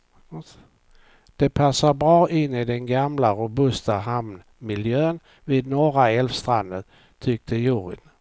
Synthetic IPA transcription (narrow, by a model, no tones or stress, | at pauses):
d̪̥ɛpʰasːaɾbɾɑːʔɪnːɪd̪ɛnɡamlaɾʊbɵst̪aɦamn | mɪljøːn | vid̪̚nɔɾaɛlfst̪ɾand̪ən | t̪ʰʏk̚t̪ʰəjuɾɪ̰n